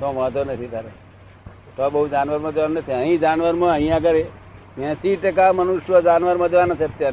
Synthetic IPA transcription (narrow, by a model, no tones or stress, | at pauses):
t̪oməɦət̪onət̪ʰit̪aɾe | t̪obəɦud͡ʒanʋəɾmãd͡ʒʋannət̪ʰiəɦĩd͡ʒanʋəɾmãə̃ɦĩjãkəɾe | jẽsiʈək̬amənuʃʋəd͡ʒanʋəɾmə̃d͡ʒʋanat͡ʃʰeət̪jaɾe